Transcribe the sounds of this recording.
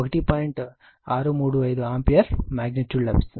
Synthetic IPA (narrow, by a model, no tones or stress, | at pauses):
ɐkɐʈipaːjiɳʈ | aːɾumuːɽuɐjd̪uaːmpijɐɾmaːɡ̚nɐʈjuːɖlɐ̰bisɐ